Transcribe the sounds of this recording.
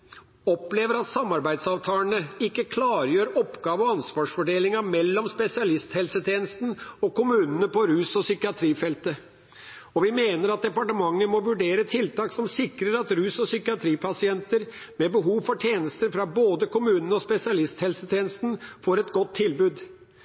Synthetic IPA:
ɔpleːʋəɾɑt̪sɑmːɑɾbæɪd̪sɑːʋt̪ʰɑːəɳəɪkːəkʰlɑːɾjøːɾɔpɡɑːʋəɔɑnsʋɑːʂfɔɖeːlɪŋɑmɛlːɔmspɛsɪɑlɪst̪hɛlsət̪ʰjeːnəst̪n̩ɔkʊmʉːnənəpɔɾʉːsɔsʏkɪɑt̪ʰɾiːfɛlt̪ə | ɔʋɪmeːnəɾɑt̪̚d̪ɛpɑʈəmɑŋːəmɔʋʉɖeːɾət̪ʰɪlt̪ʰɑːksɔmsɪkɾəɾɑt̪ɾʉːsɔsʏkɪɑt̪ʰɾiːpʰɑsɪɛnt̪əɾ | mɛbəɦuːʋfɔʈʰjeːnəst̪əɾfɾɑboːd̪əkʊmʉːnənəɔspɛsɪɑlɪst̪hɛlsət̪ʰeːnəst̪n̩foːɾɛt̪ɡɔt̪ʰːɪlbʉːd̪

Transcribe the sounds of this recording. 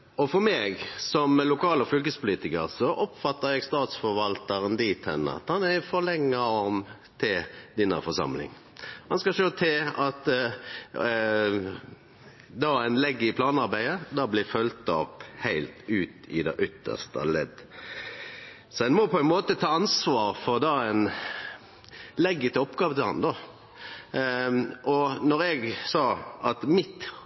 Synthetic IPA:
ɔfɔɾmeːɡsɔmlʊkɑːlɔfʏlk̬əspʰʊliːt̪ɪkəɾsɔʔɔpfɑt̪ːəɾɛɡst̪ɑːt̪sfɔɾʋɑlt̪ɑɾənd̪iːt̪hɛnːə̰ɑ̰t̪hɑnæfɔlɛŋːəɔm | t̪ʰɪld̪ɪnːɑ̰ɾfɔsɑ̰mlɪ̰ŋ | hɑnskɑʃoːt̪ʰɪlɑt̪ | d̪ɑːæɪnlɛɡːəɪpʰlɑːnɑɾbæɪəd̪ɑːblɪfœlt̪ɔphæɪlt̪ʉːt̪ɪd̪ɛʔʏt̪ʰːə̰st̪ə̰lɛ̰d̪ | sɔɛnmɔpʰɔæɪnmoːt̪ət̪ʰɑːɑnsʋɑːɾfɔʁd̪ɑæɪn | lɛɡːət̪ʰɪɔpɡɑːʋət̪ɪlhɑ̰nd̪ɑ | ʔɔnɔɾɛɡsɑːɑt̪mɪt̪

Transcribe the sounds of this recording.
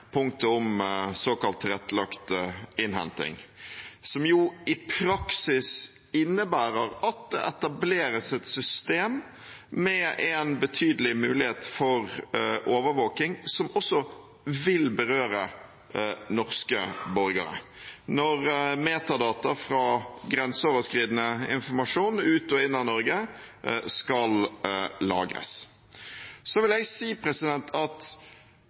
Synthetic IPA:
pʰʊŋt̪əʊmsoːkɑlt̪ɾɛt̪ːlɑkt̪ɪnɦɛ̰nt̪ɪ̰ŋ | sɔmjuɪpʰɾɑksɪs | ɪnːəbæːɾəɾɑt̪̚d̪ɛ̰ʔɛt̪ɑbleːɾəsɛt̪sʏst̪eːmː | ɛʔɛnbət̪ʰyːd̪əlɪmʉːlɪheːt̪fɔʁʔoːʋəʋoːkɪŋsɔmɔsːɔ | ʋɪlbəɾøːɾə | nɔʁskə̰bɔɾɡə̰ɾə̰nɔʁmeːt̪ɑd̪ɑːt̪ɑfɾɑɡɾɛnsoːʋəskɾiːd̪nəɪ̰nfɔɾmɑʂuːnʉːt̪ɔɪnːɑnɔɾɡə | skɑllɑ̰ːɡɾə̰s | sɔʋɪljæsiːpʰɾɛsɪd̪ɛnt̪ʰɑt̪

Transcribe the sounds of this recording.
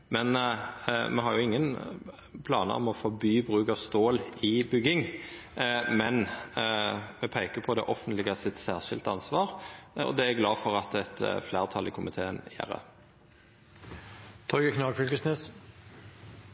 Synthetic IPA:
mɛn | mʔɛɦɑɾjʊɪŋːən | pʰlɑ̰ːnə̰ɔ̰mɔfɔbyːbʁʉːkɑʋst̪oːlɪbʏɡɪŋ | mɛn | mɛpʰæɪkəpʰɔd̪ɛ̰ʔɔfənt̪lɪɡəsɪt̪sæːʁʃɪlt̪ɑnsʋɑːɾɔ̰d̪ɛæɡlɑːfɔɾɑt̪ɛt̪flæːʁt̪ʰɑlɪkʰʊmɪt̪ʰeːənjæ̰ːɾə̰ | t̪ʰɔʏɡəkʰnɑːɡfʏlkəsneːs

